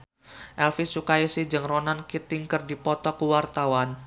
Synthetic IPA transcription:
ʔɛlfisukaisid͡ʒɨŋronankit̪iŋkɨrdipɔt̪ɔkuwart̪awan

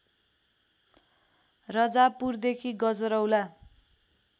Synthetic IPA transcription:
rʌd͡zapurd̪ekʰiɡʌd͡zʌɾʌwla

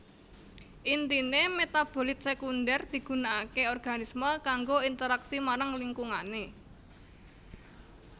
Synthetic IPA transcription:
ʔint̪inemet̪ab̥o̤lɪt̪̚sekundɛrd̪̥i̤ɡ̥ṳnaːkeɔrɡ̥a̤nisməkaŋɡoint̪əɾaksimaɾaŋliŋkuŋane

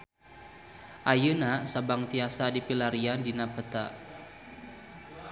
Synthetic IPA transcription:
ʔajunasabaŋt̪iasadipilaɾiandinapət̪a

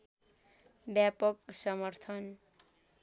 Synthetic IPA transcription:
bjapʌk̚sʌmʌrt̪ʰʌn

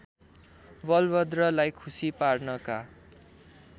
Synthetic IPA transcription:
bʌlbʌd̪rʌlajkʰusiparnʌka

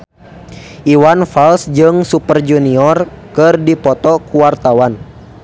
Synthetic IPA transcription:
ʔiwanfalsd͡ʒɨŋsupərd͡ʒuniɔrkɨrdipɔt̪ɔkuwart̪awan

